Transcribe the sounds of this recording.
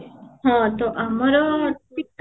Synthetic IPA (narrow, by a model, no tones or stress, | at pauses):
hɔ̃t̪oʔamɔɾɔt̪it̪